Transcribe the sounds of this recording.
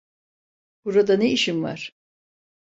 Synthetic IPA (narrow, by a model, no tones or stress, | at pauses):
b̥uɾad̪aneiʃimva̰ɾ̥